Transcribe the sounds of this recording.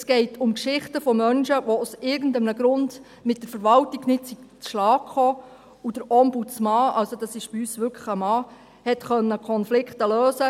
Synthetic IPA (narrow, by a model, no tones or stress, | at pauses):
sɡ̥ɛɪtʰʊmkʃɪχtəfɔmœnʃəʋousɪɾɡən̩dəmnəɡɾʊnd | mɪtdəɾfəɾʋɑltiɡnɪtsiɡ̚t͡sʃlɑːkχɔː | ud̥əɾɔmbut͡smɑɑlsod̥ɑsɪʃb̥ɪyːsʋʏɾkʰəχəmɑː | hɛtχœnːəkʰɔnflɪkχtəløːsə